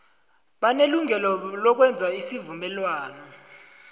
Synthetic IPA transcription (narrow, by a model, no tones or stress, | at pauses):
ɓaneluŋɛlɔlɔk̬wɛnd͡zʱaisivumɛlwaːnɔ